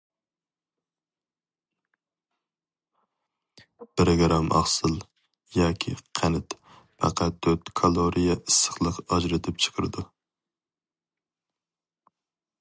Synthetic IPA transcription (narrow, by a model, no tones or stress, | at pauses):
b̥ɪɾɡɾɑmʔɑ̰χsɨlˠ | jɑːkʲʰḭqʰænɪt̪ | pɑ̰qʰɑt̪̚ʰːøɾt̪kʰɑlˠoɾʔijɛʔɨsːə̥χlˠəqɑd͡ʒɾɪt̪ʰɪp̚t͡ʃʰə̥qʰəɾɨd̪u